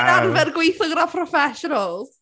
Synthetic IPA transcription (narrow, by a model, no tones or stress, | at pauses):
arvɛrɡwejθɔɡɾapʰrɔfɛʃɔnəlˠ